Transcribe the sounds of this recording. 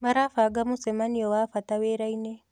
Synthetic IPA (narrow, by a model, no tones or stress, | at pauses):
maɾafaɡamusemanijowafataweɾaine